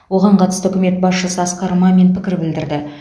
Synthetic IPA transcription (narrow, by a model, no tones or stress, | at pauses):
woʁɑɴqʰɑt̪ə̥st̪əɵkʲɪme̞t̪̚bɑsʃəsəɑsqɑɾəmɑme̞npʰɪkʲɪɾbɪld̪ɪɾd̪ɪ